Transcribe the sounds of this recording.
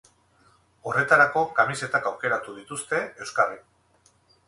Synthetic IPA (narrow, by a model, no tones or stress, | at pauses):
o̞re̞t̪aɾako̞kamise̞t̪akawke̞ɾat̪uðit̪ust̪e̞e̞wskarik